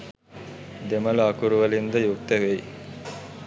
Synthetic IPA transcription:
d̪emɐluɐkuɾuʋəlind̪əjuk̚t̪əʋej

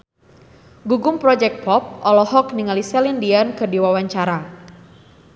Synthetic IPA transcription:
ɡuɡʊmpɾɔd͡ʒɛk̚t̚pʰɔp̚ɔlɔhɔkniŋalisɛlindiankərdiwawaɲt͡ʃaɾa

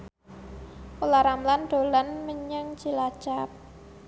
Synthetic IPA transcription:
pulaɾamland̪̥o̤lanməɲəŋ̥d͡ʒ̥ilḁt͡ʃap̚

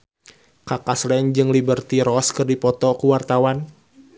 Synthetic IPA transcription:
kakaslɛɲd͡ʒɨŋlibərt̪iɾɔskɨrdipɔt̪ɔkuwart̪awan

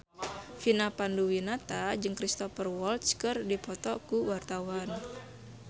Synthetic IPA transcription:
finapanduwinat̪ad͡ʒɨŋkɾist̪ɔfərwɔlt̪skɨrdipɔt̪ɔkuwart̪awan

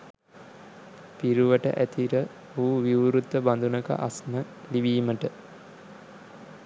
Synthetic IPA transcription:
piɾuʋəʈə̰ʔæt̪iɾə | uːʋiuɾut̪ːəband̪unəkə̰ʔasnə | liʋiːməʈə

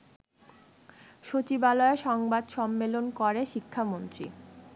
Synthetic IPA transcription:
ʃot͡ɕibalɔeʃɔŋbad̪ʃɔmːelonkoɾeʃikʰːamont̪ɾḭ

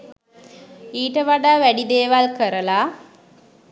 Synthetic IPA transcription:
iːʈəʋaɖaːʋæɖid̪eːʋalkəɾəla

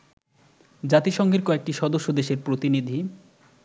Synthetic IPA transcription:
d͡ʑat̪iʃɔŋɡeɾkɔek̚ʈiʃɔd̪oʃːod̪eʃeɾpɾot̪inid̪ʱi

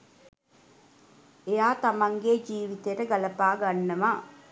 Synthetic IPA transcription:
ejaːt̪ɐmɐŋɡed͡ʒiːʋit̪eɾəɡɐlɐpaːɡɐnːɐʋa

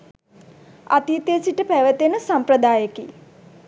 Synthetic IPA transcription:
a̰t̪it̪esiʈəpæʋət̪enəsampɾəd̪aːjəki

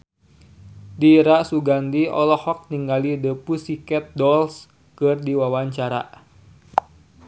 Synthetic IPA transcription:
diɾaʔsuɡandiɔlɔhɔk̚niŋɡalidəpusikɛt̪̚dɔls | kɨrdiwawaɲt͡ʃaɾa̰

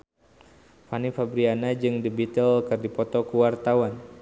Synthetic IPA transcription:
fanifabɾianad͡ʒɨŋdibit̪əlkɨrdipɔt̪ɔkuwart̪awan

